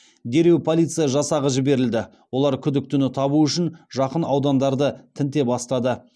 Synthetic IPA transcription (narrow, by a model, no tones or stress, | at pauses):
d̪e̞ɾe̞wpʰolʲˠijt̪sɨjɑʒɑsɑʁəʒɪbe̞ɾɪld̪ɪ | wo̞lˠɑɾkʲʰʏd̪ɪk̚t̪ʰʏnɪt̪ʰɑβuʏʃɪnʒɑqənɑwd̪ɑnd̪ɑɾd̪ət̪ʰɪnt̪e̞bɑst̪ɑd̪ə